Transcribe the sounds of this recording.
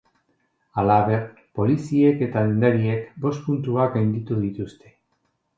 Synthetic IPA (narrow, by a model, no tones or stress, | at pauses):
alaβe̞r | po̞lisie̞ke̞t̪alend̪aɾie̞kbo̞spunt̪uaɡajnd̪it̪uðit̪ust̪e̞̥